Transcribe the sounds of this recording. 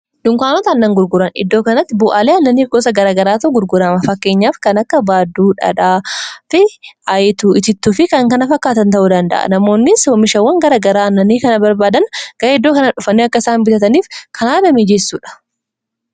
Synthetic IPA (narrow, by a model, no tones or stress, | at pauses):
d̪̥ʊŋkaːnɔt̪ɐːnːɐŋɡʊɾɡʊɾɐnɪ̰d̪ːoːkɐnɐt̪ːɪbʊʔaːleːɐnːɐniːɡoːsɐɡɐɾaːɡɐɾaːt̪ɐʔʊɡʊɾɡʊɾamɐfɐkːe̞ːɲːaːfkɐnɐkːɐbaːd̪ːuːᶑɐ̰ᶑaːfɪʔɐjt̪uɪt̪ɪt̪ːufɪkɐŋkɐnɐfɐkːaːt̪ɐnt̪ɐʔuːd̪ɐnd̪ɐ̰ʔɐ̰nɐmo̞ːnːɪswɔmɪʃɐwːɐŋɡɐɾaɡɐɾaːɐnːɐnikɐnɐbɐɾbaːd̪ɐnɡ̥ɐɾɪd̪ːoːkɐnɐᶑʊfɐnːiɐkːɐɪsaːnbɪt̪ɐt̪ɐniːfkʰɐnaːd̪ɐmed͡ʒesːuːᶑɐ̥